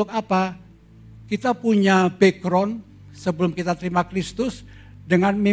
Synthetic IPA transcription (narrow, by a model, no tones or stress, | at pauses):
ʊkapa | kit̪apuɲabekɾɔn | səbəlʊmkit̪at̪əɾimakɾist̪ʊs | dəŋanmi